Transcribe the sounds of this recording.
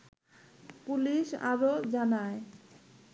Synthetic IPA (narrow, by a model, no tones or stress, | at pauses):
puliʃa̰ɾod͡ʑanae